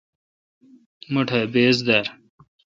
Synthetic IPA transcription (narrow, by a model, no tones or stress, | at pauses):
mɐʈʰɐbeːzd̪ɐɾ